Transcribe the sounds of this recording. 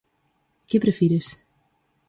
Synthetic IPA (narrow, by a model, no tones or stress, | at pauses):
kɪpɾəfiɾəs